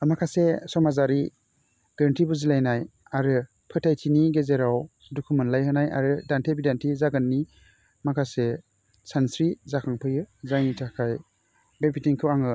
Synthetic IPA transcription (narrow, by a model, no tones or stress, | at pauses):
amakʰasesɔmazaɾi | ɡɾəntʰibuzilajnaj | aɾɯ | pʰɯtʰajtʰiniɡezeɾaw | dukʰumɯnlajhɯnaja̰ɾɯdantʰebidantʰizaɡɯnːi | makʰase | sansɾizakʰaŋpʰɯjɯzajnitʰakʰaj | bepitiŋkʰɯwaŋɯ